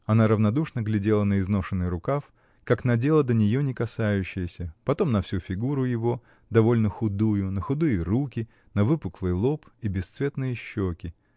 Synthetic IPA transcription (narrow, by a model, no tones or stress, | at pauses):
ɐnaɾəvnɐd̪uʂnəɡlʲɪdʲe̞lˠənəɪzno̞ʂɨnːɨɾʊkaf | kaknɐdʲe̞lˠəd̪ənʲɪjo̞nʲɪkɐsajʉɕːɪjəsʲəpɐt̪o̞mnɐfsʲufʲɪɡuɾʊjɪvo̞ | d̪ɐvo̞lʲnəxʊd̪ujʊnəxʊd̪ɨjərukʲɪ | nɐvɨpʊklˠɨjəlˠo̞pibʲɪst̪svʲe̞t̪nɨjɪɕːokʲɪ